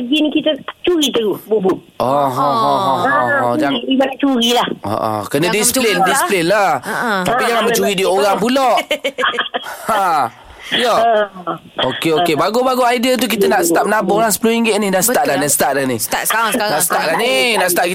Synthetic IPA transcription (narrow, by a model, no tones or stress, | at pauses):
ɡinkit̪ət͡ʃuɾit̪əɡuhbubu | ʔɔɦɔɔɔɦɔɔd͡ʒaibat͡ʃuɾilahɔ̰ʔɔ̰kənədisplindisi̥plɪnlat̪apid͡ʒaŋanmət͡ʃuɾidiəoɾaŋp̬ulɔʔ | a | jɔə | okeokebaɡobaɡoajdiət̪̬uk̬it̪ənaʔsə̥t̪ap̚nabɔɾaŋsə̥pəloiŋɡɪt̪̚nɪhdaʔsə̥aʔlanasə̥t̪aʔlanihnaʔsst̪aʔlaninaʔsət̪aʔki